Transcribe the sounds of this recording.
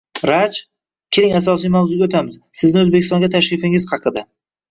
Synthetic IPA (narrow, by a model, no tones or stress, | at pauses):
ɾat͡ʃ | kʲʰɪɾɪŋasɒs̬ijmawzʊɡʲot̪ʰamɪz̥ | sɪznɪɵzbekʲɪst̪ɒ̃ŋɡʲat̪ʰaʃɾɪfɪŋɪz̥hɑqʰɨd̪a